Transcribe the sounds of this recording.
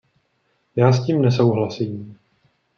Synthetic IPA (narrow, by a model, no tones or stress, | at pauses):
jaːsciːmnɛso̞wɦlasiːm